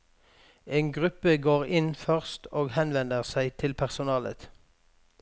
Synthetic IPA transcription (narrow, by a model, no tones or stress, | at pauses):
eːnɡʁʉpəɡoːʁɪnfœʁst̪oːɡhɛnʋɛnd̪əʁsæɪt̪ʰɪlpʰæʁsʊnɑːlə̰t̪